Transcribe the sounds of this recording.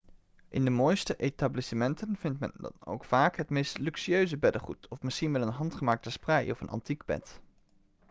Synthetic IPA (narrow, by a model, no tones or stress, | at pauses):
ʔɪ̰ndəmoːjstəʔetablisəmɛntənv̥ɪntmɛ̰ndɑ̰no̰wkfaːkɦətmejstlyksiøɥzəbɛdəχṵtɔfmɪsχinʋɛlənɦɑntχəmaːk̚təsprɛjɔfə̰nʔɑ̰ntiɡbɛ̰t